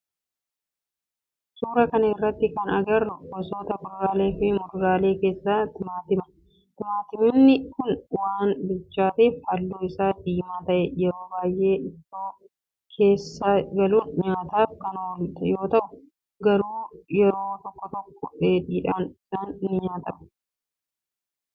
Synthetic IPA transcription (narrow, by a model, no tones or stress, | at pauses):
suːɾɐkɐnɐɪrːɐt̪ːɪkɐnɐɡɐrʊkɔso̞ːt̪ɐmʊɾʊɾaːle̞ːfɪmʊɾɾaːle̞ːke̞ːsːaːt̪ɪmaːt̪ɪmɐ | t̪ɪmaːt̪ɪmɪnːɪkʊnwaːnbʊt͡ʃːaːt̪eːfhɐlːuːɪsaːd̪iːmaːt̪ɐʔɛjɛɾo̞ːbaːjʔe̞ːɪfoː | kʰe̞ːsːaːɡɐluːnɲaːt̪aːfkɐnwlt̪ɐjo̞ːt̪ɐʔʊ | ɡɐɾuːjɛɾo̞ːt̪ɔkːɔt̪ɔkːɔᶑeːᶑiːᶑɐmnɪsaːnɪnːɪɲaːt̪ɐmɐ̥